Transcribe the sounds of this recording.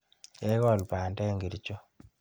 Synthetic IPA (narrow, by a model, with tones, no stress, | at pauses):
jɛ˦kɔ˨lpa˨ndɛ˦ŋɡi˨ɾt͡ʃo˦